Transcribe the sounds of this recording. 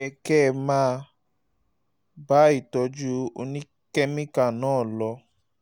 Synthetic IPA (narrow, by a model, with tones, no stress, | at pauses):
ɛ˧kɛ˦˨mãː˦˧ | ba˦i˦˨tɔ˧d͡ʒu˦o˧nĩ˦ | kɛ˦mĩ˦ka˨nãː˨˦˨lɔ˧